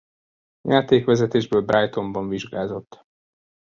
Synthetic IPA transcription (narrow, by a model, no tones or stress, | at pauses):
jʔaːt̪eːkʋɛzɛt̪eːʒbøːlbrʔajt̪o̞mbɒɱviʒɡaːzo̞t̪ː